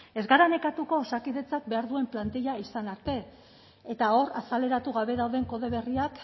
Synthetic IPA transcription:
e̞zɡaɾane̞kat̪uko̞sakiðe̞t͡sak̚be̞aɾðue̞mplant̪iʎaisanaɾt̪e̞ | et̪ao̞ɾasale̞ɾat̪uɣaβe̞ðawðe̞ŋko̞ðe̞β̞e̞riak

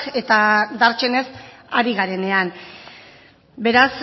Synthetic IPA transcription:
ke̞t̪ad̪aɾt͡ʃe̞ne̞saɾiɣaɾe̞ne̞an | be̞ɾas

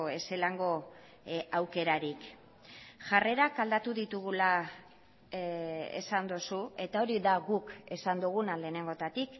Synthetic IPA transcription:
e̞se̞laŋɡo̞ | awke̞ɾaɾik | ʝare̞ɾakald̪at̪uðit̪uɣula | ḛsand̪osue̞t̪ao̞ɾiðaɣuke̞sand̪uɣ̞unale̞ːne̞ŋɡo̞t̪at̪ik

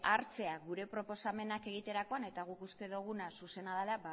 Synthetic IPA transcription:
aɾt͡se̞aɣuɾe̞pɾo̞po̞same̞nake̞ɣ̞it̪e̞ɾako̞ane̞t̪aɣ̞ukust̪e̞ðuɣ̞unasuse̞naðelaba

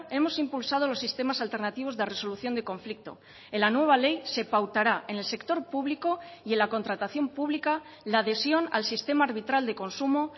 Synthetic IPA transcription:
e̞mo̞simpulsað̞olo̞sːist̪e̞masalt̪e̞ɾnat̪iβ̞o̞zðere̞so̞luθjo̞nd̪e̞kõ̞ɱflik̚t̪o̞̰ | elanwe̞β̞ale̞jse̞pawt̪aɾaʔene̞lse̞kt̪o̞ɾpuβ̞liko̞ie̞nlako̞nt̪ɾat̪aθjo̞mpuβ̞lika | laːðe̞sjo̞na̰lsist̪e̞maːɾβ̞it̪ɾald̪e̞ko̞nsumo

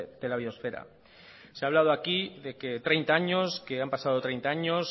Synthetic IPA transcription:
d̪elaβiosfeɾa̰ | seaβlað̞oakiðe̞ke̞t̪ɾejnt̪aaɲo̞ske̞ampasað̞o̞t̪ɾejnt̪aaɲos

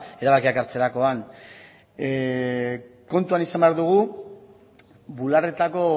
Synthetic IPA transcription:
e̞ɾaβakiakaɾt͡se̞ɾako̞an | ko̞nt̪uanisambeaɾðuɣ̞u | bulare̞t̪ako̞

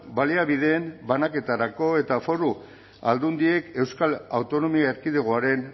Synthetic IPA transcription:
baliaβiðe̞ːmbanake̞t̪aɾako̞e̞t̪afo̞ru | a̰ld̪und̪ie̞ke̞wskalawt̪o̞no̞miaeɾkiðeɣ̞oaɾe̞n

